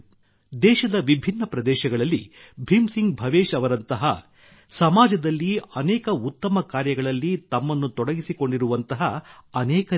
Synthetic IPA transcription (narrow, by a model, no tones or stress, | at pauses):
d̪ɛːʃɐd̪ɐʋibʱinːɐpɾɐd̪ɛːʃɐɡɐɭɐlːḭ | bʱimsiŋɡbʱɐʋeːʃɐʋɐɾɐnt̪ɐɦɐ̰ | sɐmaːd͡ʒɐd̪ɐlːiɐnɛːkɐut̪ːɐmɐkaːɾjɐɡɐɭɐlːit̪ɐmːɐnːut̪ɔɽɐɡisiko̞ɳɖiɾuʋɐnt̪ɐɦɐːnɛːkɐ